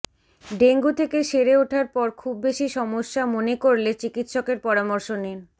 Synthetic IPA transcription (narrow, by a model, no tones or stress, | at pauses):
ɖeŋɡut̪ʰekeʃeɾeuʈʰaɾpɔɾkʰubːeʃiʃɔmoʃːamonekoɾlet͡ɕikit̪ʃɔkeɾpɔɾamɔɾʃonen